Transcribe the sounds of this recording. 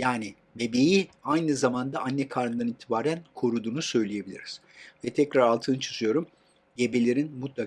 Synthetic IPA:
jaːni | mebejiajnɯzamand̪aʔanːɛkʰaɾnd̪aɾnit̪ʰibaːɾænkʰo̞ɾud̪uːnusø̞jlʲeje̞bilʲiɾiz̥ | vɛt̪ʰɛcɾaɾalˠt̪ʰɯnt͡ʃʰɯ̥zɯjo̞ɾum | ɟe̞be̞lʲe̞ɾinmut̪lˠa

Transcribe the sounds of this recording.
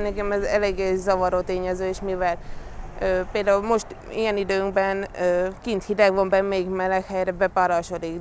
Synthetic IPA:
nɛkɛmɛzɛleːɡeːzɒvɒɾoːt̪eːɲɛzøːeːʃmivɛløːpeːld̪aːulmo̞ʃt̪ijɛnid̪øːŋɡbɛnøːkint̪hid̪ɛɡʋombɛmeɡmɛlːɛkhɛjɾɛbɛpaɾɒʃod̪ik

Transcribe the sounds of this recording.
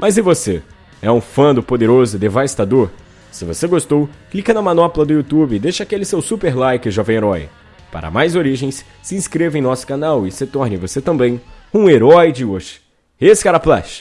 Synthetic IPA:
mɐzɪvose | ɛũfɐ̃d̪ʊpod̪eɾozʊd̪evast̪ad̪oɾ | sɪvo̰seɡost̪owklikɐnɐmɐ̃nɔpʊlɐd̪ʊut̪ubɪd̪eʃɐakelɪsewsupeɾlajkɪɪʒɔvẽj̃eɾɔj | pa̰ɾɐ̰majzoɾiʒẽj̃s | sɪĩskɾevẽj̃nɔsʊ̥kanawɪset̪ɔɾnɪvoset̪ɐ̃mbẽj̃ | ũeɾɔjd͡ʒɪoʒɪ̥ | esɪ̥kaɾɐpla̰ʃ

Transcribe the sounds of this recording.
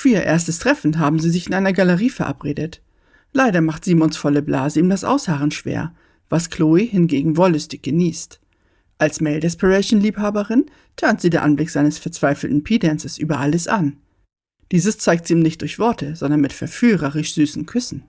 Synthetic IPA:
fyːiːɐʔeɐstəstʁ̥ɛfn̩ɦaːbm̩ziːzɪçɪnʔaɪnɐɡaləʁiːfɛɐʔa̰pʁeːdət | laɪɾɐmaχtz̥iːmɔnsfɔləbla̰ːzəiːmdasʔa̰ʊshaːʁənʃv̥ḛːɐ | vaskʰl̥oːihɪnɡeːɡŋ̩vɔlʏstɪçɡ̥əniːst | ʔalsmɛːldɛspɛʁɛɪʃn̩liːphaːbəʁɪn | tʰœɐntz̥iːdeːɐʔanblɪkz̥aɪnəsfɛɐt͡sv̥aɪfl̩tn̩pʰiːdɛnsəsʔyːbɐʔaləsʔan | d̥iːzəst͡saɪktziiːmnɪçt̚d̥ʊɐçv̥ɔɐtʰəzɔndɐnmɪtfɛɐfyːʁɐʁɪʃz̥yːsn̩kʰʏsn̩

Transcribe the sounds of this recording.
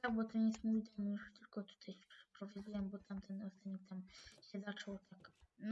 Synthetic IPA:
t̪aɡ̚bɔt̪ɔnjɛst̪mujd̪ɔmjuʂt̪ɘlkɔt̪u̥t̪ʰajɛ̥pʂɛ̥pɾɔvɔd͡ʑiwɛmbɔt̪amt̪ʰɛnɔst̪anɛk̚t̪amɕɛzat͡ʂɔwt̪ʰak

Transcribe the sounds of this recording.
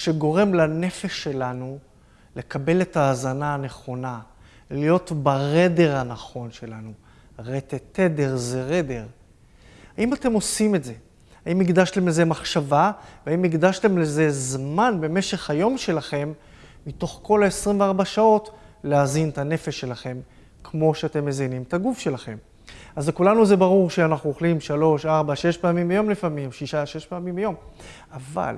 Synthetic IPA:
ʃe̞ɡo̞ʁemlane̞feʃːe̞lanu | le̞kabe̞le̞taːzanaːne̞χo̞na | lijo̞tbaʁede̞ʁhanaχo̞nʃe̞lanu | ʁetete̞de̞ʁzeʁe̞de̞ʁ | haimate̞mo̞simetze̞ | aimiɡd̪aʃte̞mlezemaχʃavaveaimiɡdaʃte̞mleze̞zmanbe̞me̞ʃe̞χhajo̞mʃe̞laχe̞mː | ito̞χko̞laesʁimveaʁbaʃao̞t | leazintane̞fe̞ʃːe̞laχe̞m | kmo̞ʃeate̞mːezinimt̪aɡufʃe̞laχe̞m | azekulanuzebaʁuʁʃeanaχnuoχlimʃalo̞ʃaʁbaʃe̞ʃpaamimbejo̞mlifamimʃiʃaʃe̞ʃpaamimbejo̞m | ava̰l

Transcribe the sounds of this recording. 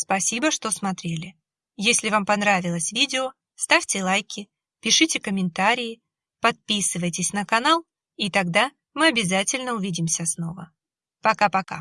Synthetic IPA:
spɐsʲibəʂt̪o̞smɐt̪ɾʲelʲɪ | jesʲlʲɪvampɐnɾavʲɪlˠəsʲvʲidʲɪo | st̪afʲtʲɪlˠajkʲɪ | pʲɪʂɨtʲɪkəmʲɪnt̪aɾʲɪjɪ | pɐt̪̚pʲisɨvəjtʲɪsʲnəkɐnalˠ | it̪ɐɡd̪a | mɨɐbʲɪzatʲɪlʲnəʊvʲidʲɪmsʲəsno̞və̰ | pɐkapɐka̰

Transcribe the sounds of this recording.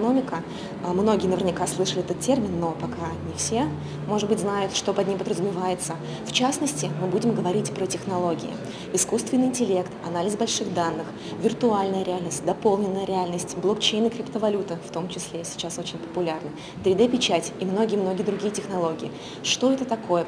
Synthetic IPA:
ɐno̞mʲɪkə | mno̞ɡʲɪjənəvʲɪrnʲɪkaslˠɨʂəlʲɪɛt̪ət̪tʲːe̞rmʲɪnːo̞pɐkanʲɪfsʲe | mo̞ʐɨd̪bɨtʲznajʊt̪ʂt̪o̞pɐd̪nʲimpəd̪ɾəzʊmʲɪvajɪt̪sə | ft͡ɕasnəsʲtʲɪmɨbudʲɪmɡəvɐɾʲitʲpɾətʲɪxnɐlˠo̞ɡʲɪ̰ɪ̰ | ɪskust̪vʲɪnːɨɪnʲtʲɪlʲe̞kt̪ɐnalʲɪzbɐlʲʂɨɣd̪anːɨx | vʲɪrt̪ʊalʲnəjəɾʲɪalʲnəsʲtʲd̪ɐpo̞lˠnʲɪnːəjəɾʲɪalʲnəsʲtʲblˠokt͡ɕejnɨkɾʲɪpt̪əvɐlʲut̪ɨft̪o̞mt͡ɕɪsʲlʲesʲɪ̥t͡ɕaso̞t͡ɕɪnʲpə̥pʊlʲarnə | t̪ɾʲɪd̪ɛpʲɪt͡ɕætʲimno̞ɡʲɪjəmno̞ɡʲɪəd̪ɾʊɡʲijətʲɪxnɐlˠo̞ɡʲɪɪ | ʂt̪o̞ɛt̪ət̪ɐko̞jə

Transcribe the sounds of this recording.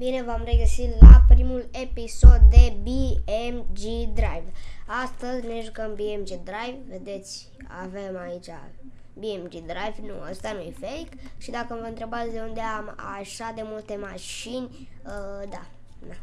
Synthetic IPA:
bine̞vamre̞ɡəsilapɾimule̞piso̞d̪̚d̪e̞biemd͡ʒid̪ɾajvast̪əzʲne̞ʒukəmbiemd͡ʒid̪ɾajvve̞d̪e̞t̪sʲ | a̰vemait͡ʃʲa̰ | biemd͡ʒid̪ɾajvnuə̰st̪anujefeikʃid̪akəmvəɨnt̪ɾe̞bat̪sʲd̪e̞und̪eama̰ʃad̪e̞mult̪e̞maʃinʲ | əd̪a | d̪a

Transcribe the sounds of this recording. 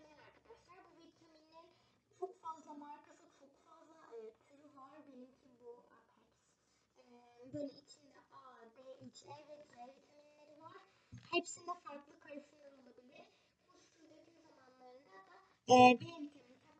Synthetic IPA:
melaɾkʰad̪aʃlˠaɾbuvit̪ʲʰeminlʲeɾ | t͡ʃʰokfazlˠamaɾkʰasɯt͡ʃʰo̞kfazlˠaʔɯt̪ʰyɾuvaɾbelʲimcʰibua̰hɛps | ɛbøjlʲɛit͡ʃʰind̪ɛʔad̪ɛit͡ʃʰɛvɛt̪ʰɛvit̪ʲʰeminlʲeɾivaɾ̥hepsind̪ɛfaɾklˠɯkʰaɾɯʃɯjonolˠabilʲiɾ̥ | kʰuʃt̪ʰuɾd̪ʰet̪ʰynzamanlˠaɾɯnd̪ad̪a | ɛːbenit̪ʲʰemint̪ʰam

